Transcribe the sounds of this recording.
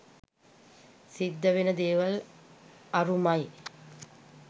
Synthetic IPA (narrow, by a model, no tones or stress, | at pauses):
sid̪ːəʋenəd̪eːʋɐl | ɐɾumaj